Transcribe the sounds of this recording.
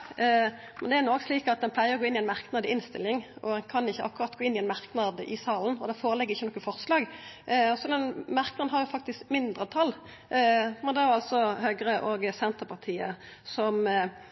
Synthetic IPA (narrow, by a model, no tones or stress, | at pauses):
mɛnd̪ɛæɾnɔɡsliːkɑt̪̚d̪ɛnpʰlæɪəɾɔɡoːɪnːɪɛnmɑʁknɑd̪əɪnst̪ɪ̰lːɪŋɔ̰d̪ɛnkʰɑnɪçːəʔɑkːʉɾʁɑt̪ɡoːɪnːɪɛːnmɑʁknɑd̪ɪ̰sɑːln̩ɔd̪ɛfoːɾəlɛɡːəɾɪçːənɔkːəfɔʁslɑːɡ | sɔd̪ɛnmɑɾknɑd̪n̩ɦɑɾjʊfɑk̚t̪ɪskmɪnd̪ʁət̪ʰɑlː | mɛnd̪ɛæʁɑlt̪sɔhœɡɾəʔɔɡsɛnt̪əpʰɑʁt̪ʰiːə | sɔm